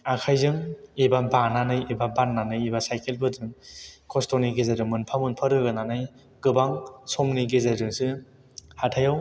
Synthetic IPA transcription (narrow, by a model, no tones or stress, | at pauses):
akʰajzɯŋibabananɯjibabanːanɯjibasajkelbɯdɯŋkʰostoniɡezadɯŋmɯnpʰamɯnpʰɐɾɯɡɯnanɯj | ɡ̥ɯbaŋsomniɡezadɯŋsɯ | hatʰajaw